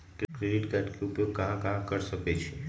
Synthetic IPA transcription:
kkɾeɖiʈkaʈkʰeupjoɡ̚kəɦãkaɦãkəɾʃəket͡ʃʰe

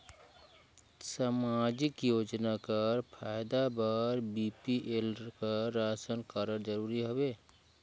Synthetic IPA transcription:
samaːd͡ʒɪkjoːd͡ʒnakəɾpʰaːjd̪abaɾbipiʔelkəːaːsənkaɾəɾd͡ʒəɾuːɾiɦobeː

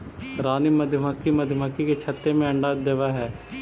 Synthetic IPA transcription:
ɾaːniməd̪ʱjəməkːiməd̪ʱjəməkːiket͡ʃʰət̪ːemẽɐɳɖaːd̪eʋaɦɛː

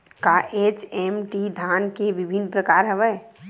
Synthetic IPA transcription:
kaʔet͡ʃɛmʈid̪ʱankeʋibʱinpɾəkaːɾɦəʋəj

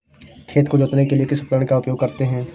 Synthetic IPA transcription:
kʰeːt̪kod͡ʒoːt̪nekeliekɪsʊpkɾəɳ̃kaʊpjoːɡ̚kɐɾt̪eɦɛ̃ː

